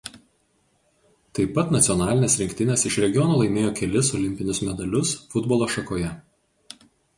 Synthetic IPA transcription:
t̪ɐɪpːɐt̪nɐt̪sʲɪɔnɑːlʲɪnʲeːsɾʲɪŋʲkt̪ʲɪnʲɛːsɪʃɾʲɛɡʲɪɔnoːlˠɐɪmʲeːjoːkʲɛlʲɪsɔlʲɪmʲpʲɪnʲʊsmʲɛd̪ɐlʲʊsfʊd̪bɔlˠoːʃɐkoːjɛ

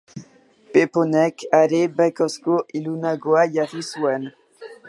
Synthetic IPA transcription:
peponɛkaɾebɛkɔskoʔilunaɡoajaʁiswɛn

